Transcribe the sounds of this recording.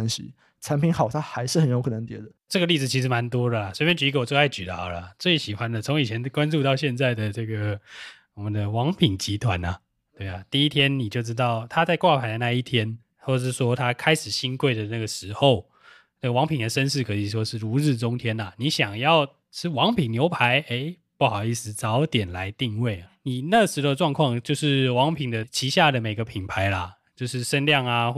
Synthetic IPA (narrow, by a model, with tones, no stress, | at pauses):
nɕḭ˥ | t͡sʰa˧˥npi˧˥ŋxɑ˨˩ʊt̪ʰa˥xa˧˥ɪʂɻ̩˥˩hə˨˦njo˧˥ʊkʰɤ˨˩nə˧˦ŋt̪jɛ̰˧˥d̪ə˧ʈ͡ʂɤ˥˩ɡə˧li˥˩d͡z̩˨˩t͡ɕʰi˧˥ʂ̬ɻ̩˧ma˧˦nt̪wɔ˥d̪ə˨a˩swpjɛ˥nt͡ɕy˧˥kə˧wɔ˨˩t͡swe˥˧ɪa˥˩t͡ɕy˨t̪ɑ̰˨˥˩ʊlə˨˩t͡swe˥˩ɪɕi˨˩xwa˦nd̪ə˨t͡sʰo˧˥ŋi˨˩t͡ɕʰjɛ˧˦nkwa˦nʈ͡ʂu˥˧t̪ɑ˥˧ʊɕjɛ˥˧nt͡sa˥˩ɪd̪ə˩ʈ͡ʂɤ˥˩ɡə˩wɔ˨˩mə˨˦nd̪ə˧wɑ˧˦˥ŋpʰi˨˩ŋt͡ɕi˧˥t̪ʰwa˧˦nɐ˨ | t̪we˥˩ɪɐ˩t̪i˥˧i˥t̪ʰjɛ˥nni˨˩t͡ɕjo˥˩ʊʈ͡ʂ̬ɻ̩˥t̪ɑ˥˩ʊt̪ʰa˥˦t͡sa˥˧ɪkwa˥˩pʰa˧˥ɪd̪ə˧na˥˧i˥˩t̪ʰjɛ˥n | xwɔ˥˩˨ʂɻ̩˥˩ʂwɔ˥t̪ʰa˥kʰa˥ɪʂɻ̩˨˩ɕi˥nkwe˥˩ɪd̪ə˩na˥˩ɡə˩ʂɻ̩˧˥xo˥˨˩ʊ | na˥˩ɡə˩wɑ˧˥ŋpʰi˨˩ŋd̪ə˩ʂə˦˥nʂ̬ɻ̩˥˩kʰɤ˧˥i˨˩ʂwɔ˥ʂɻ̩˥˩ɻu˧˥ɻ̩˥˩ʈ͡ʂʊ˥ŋt̪ʰjɛ˥na˨ni˨˥˦ɕjɑ˨˩ŋjɑ˥˨ʊ | ʂɻ̩˥˩wɑ˧˥ŋpʰi˨˩ŋnjo˧˥ʊpʰa˧˦ɪe˧˥ɪ | pu˥˩xɑ˨˩ʊi˥˩sɹ̩˧˦t͡sɑ˨˧˦ʊt̪jɛ˨˩nla˧˦ɪt̪i˥˧ŋwe˥˩ɪa˩ni˨˩na˥˩ɡə˩ʂɻ̩˧˥xo˥˧ʊə˧ʈ͡ʂwɑ˥˧ŋkʰwɑ˥˧ŋt͡ɕjo˥˧ʊʂɻ̩˥˩wɑ˧˥ŋpʰi˨˩ŋd̪ə˦˩t͡ɕʰi˧˥ɕja˥˩d̪ə˩me˨˩ɪɡə˦pʰi˨˩npʰa˧˥ɪlɐ˨ | t͡ɕjo˥˧ʊʂɻ̩˥˩ʂə˦nljɑ˥˨ŋa˨